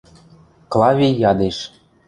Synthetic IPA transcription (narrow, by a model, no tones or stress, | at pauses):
klˠɑvʲiːɑd̪eʃ